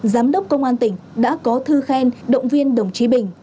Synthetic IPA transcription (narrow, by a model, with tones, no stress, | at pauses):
zaː˨˦mɗə˦˥wk͡p̚kə˧wŋ͡mʔaː˧nt̪ï˧˩ŋ̟ɗa̰ː˧˥kɔ˨˦t̪ʰɨ˧xɛ˧nɗə̰˧˨wŋ͡mvi˧ənɗə˨˩wŋ͡mt͡ɕi˨˦ɓï˧˩ŋ̟